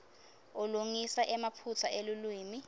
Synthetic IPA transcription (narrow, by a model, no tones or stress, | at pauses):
oluŋisaʔɛmapʰut͡sʰaʔelulwiːmi